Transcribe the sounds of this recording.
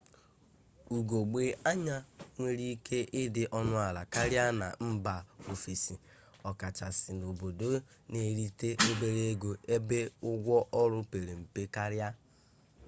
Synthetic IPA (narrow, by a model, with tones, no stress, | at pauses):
u˨ɡo˨ɡ͡be˦a˦ɲa˦ŋʷe˦ɾi˦kʰe˦ʔɪ˦dɪ˨ʔɔ˦nʊ˦a˨la˨ka˦ɾja˦na̰˨m̩˦ba˨o˨fi˨si˨ | ɔ˨ka˨t͡ʃa˨sɪ˨no˨bo˨do˦ne˨˦ɾi˦te˦ʔo˦be˦ɾe˦ɡo˨e˦be˦ʊ˦ɡʷɔ˦ʔɔ˦ɾʊ˦pe˨ɾe˨m̩˨pe˦ka˦ɾja˦